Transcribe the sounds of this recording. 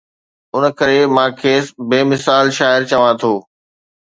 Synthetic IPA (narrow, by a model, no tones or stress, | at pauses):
ʊnkɐɾemãːkʰeːsbeːmɪsaːlʃaːɪɾt͡ɕɐʋãt̪ʰoː